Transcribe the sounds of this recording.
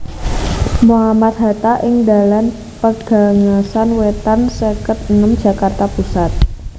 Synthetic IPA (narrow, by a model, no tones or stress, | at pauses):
moɦamat̪̚ɦa̤t̪aʔɪŋda̤lan | pəɡ̥a̤ŋasanwet̪ansəkət̪əŋəmd̥ʒ̥ä̤kart̪apusat̪̚